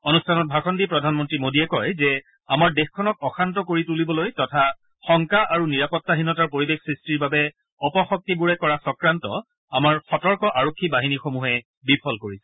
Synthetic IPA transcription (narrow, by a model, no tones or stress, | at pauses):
onustʰanɔt̚bʱakɔndipɹɔdʱanmɔntɹimodiɛkɔjzɛ | amaɹdexkʰːɔnɔk̚ɔxʰantɔkoɹitulibɔlojtɔtʰa | xɔŋkaʔaɹuniɹapɔtːaɦinɔtaɹpoɹibexsɹistiɹbabɛ | ɔpɔxɔk̚tibuɹɛkɔɹasɔkɹantɔ̰ | amaɹxɔtɔɹkɔʔaɹokʰːibaɦinixomuɦɛ | bipʰɔlkoɹisɛ̥